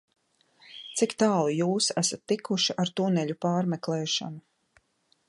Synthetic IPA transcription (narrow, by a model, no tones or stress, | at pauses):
t̪sikt̪aːlˠujuːsæsat̪ːikuʃiʔaɾt̪unɛʎʲupaːɾmɛklˠɛːʃa̰nu